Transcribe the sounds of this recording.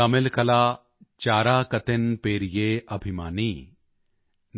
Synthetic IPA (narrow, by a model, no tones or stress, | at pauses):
ɐmɪlkɐlaː | t͡ʃaːɾaːkɐt̪ɪnpeːɾijeːɐbʱimaːniː | n